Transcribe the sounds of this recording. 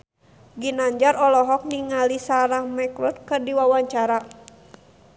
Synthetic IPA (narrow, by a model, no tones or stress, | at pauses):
ɡinaɲd͡ʒaɾɔlɔɦɔk̚niŋalisaɾahmɛkɾut̪̚kɨrdiwawaɲt͡ʃaɾa